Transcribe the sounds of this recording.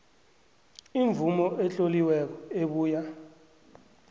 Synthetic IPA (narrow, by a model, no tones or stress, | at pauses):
iɱb̪vumɔʔɛɬoliwɛk̬ɔeɓuːja